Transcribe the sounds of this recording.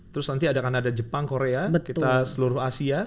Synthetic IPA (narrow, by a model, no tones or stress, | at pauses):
t̪əɾʊsnant̪iadakanadad͡ʒəpaŋkoɾeabət̪kit̪asəluɾʊhasia